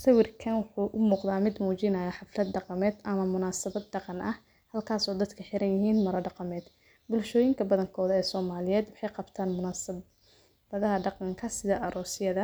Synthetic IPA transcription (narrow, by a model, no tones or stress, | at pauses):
sɐwɪrkʰɐnwʊħuːʔʊmuːqðaːmɪd̪muːt͡ʃɪnɐjɐħɑflɐd̪ɖɑqɑmɛːd̪ʔɐmɐmʊnaːsɐβɐd̪̚ɖɑqɑnɐh | hɐlkʰaːsɔːd̪ɐd̪kʰɐħɪɾɐnjɪɦiːnmɐɾɐɖɑqɑmɛːd̪ | bʊlʃɔːjɪŋkʰɐbɐðɐŋkʰɔːðɐɛːsɔːmaːlɪjɛːd̪wɑħɑjqɑbt̪ʰaːnmʊnːs | bɐðɐɦɐɖɑqɑŋkʰɐsɪðɐʔɐɾʔɔːsɪjɐðɐ